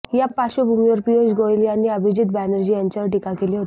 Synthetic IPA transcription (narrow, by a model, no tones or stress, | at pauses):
japːaɕobʱumiʋəɾpijod͡ʑɡʱojliañiəbʱid͡ʑiːt̪̚bænəɾd͡ʑijaɲt͡ɕaʋəɾʈikakeliːɦot̪i̥